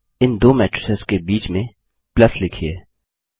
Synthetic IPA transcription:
ɪnd̪oːmɛːʈɾɪsezkebiːt͡ʃmẽ | plɐslɪkʰieː

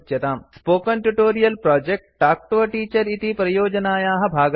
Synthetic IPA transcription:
t̪jɐt̪aːmspoːkɐnʈuʈoːɾijɐlpɾaːd͡ʒek̚ʈ̚ʈːaːk̚ʈʋɐʈiːt͡ʃɐɾit̪ipɾɐjoːd͡ʒɐnaːjaːɦɐbʱaːɡ

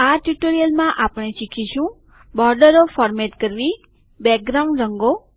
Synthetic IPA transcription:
aʈuʈoɾijəlmãʔapɽ̃eʃikʰiʃũ | bɔɾɖəɾofɔɾmeʈkəɾʋi | bɛk̚ɡɾaw̃ɳɾəŋɡo

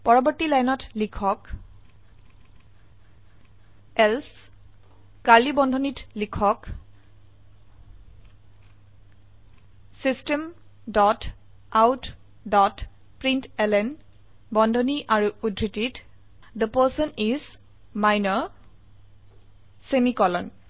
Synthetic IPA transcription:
pɔɹɔbɔɹtilajnɔtlikʰɔk | ɛls | kaɹlibɔndʱɔnitlikʰɔk | sistɛm | dɔt | awt | dɔt | pɹintɛlɛn | bɔndʱɔniʔaɹuudʱːitit | d̪əpəsɔniz | majnɔ | semikɔlɔn

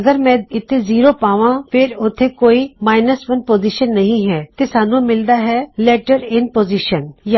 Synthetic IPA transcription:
ɡəɾmɛ̃ːɪt̪ʰːeziːɾoːpaːʋãːpʰɪɾʊt̪ʰːeːkoːiːmaːɪnəsʋənpoːziːʃənːɐɦĩɦɛːt̪eːsaːnũmɪld̪aːɦɛːlɛːʈəɾɪnpoːziːʃənja

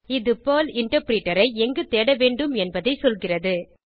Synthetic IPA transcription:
ɪðɯpoːlɪɳʈɐɾpɾiːʈːɐɾɐɪɛŋɡɯt̪eːɽɐʋeːɳɖɯmɛnbɐðɐɪsɔlɣɪrɐðɯ

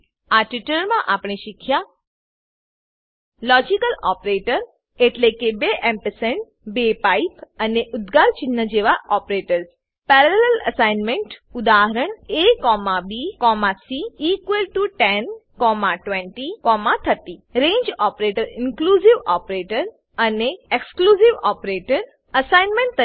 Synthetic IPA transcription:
aʈiʈəɾmãʔapɽeʃikʰja | lɔd͡ʒikəlɔpɾeʈəɾ | eʈlekebeʔɛmpəseɳʈ | bepaipəneʔʊd̪ɡaɾt͡ʃɪnːəd͡ʒeʋaʔɔpɾeʈəɾs | pɛɾɛlɛlɛlə̰sajnmẽɳʈʊd̪aɦəɾəɳekɔmabikɔmasiːkʋəlʈuʈenkɔmaʈʋẽɳʈikɔmat̪ʰət̪iɾẽɲd͡ʒɔpɾeʈəɾɪnkluziʋɔpɾeʈəɾ | əneekskluziʋɔpɾeʈəɾ | əsajnmẽɳʈt̪ə

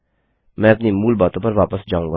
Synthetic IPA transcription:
mɛ̃ːɐpnimuːlbaːt̪õpɐɾʋaːpəsd͡ʒaːũŋɡa

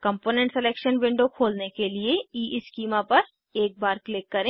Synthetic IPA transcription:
kɐ̃mpoːnɛ̃ɳʈsɛleːkʃənʋɪ̃ɳɖokʰoːlnekelieiːʔɪskiːmapɐɾ | eːk̚baːɾklɪkːɐɾẽː

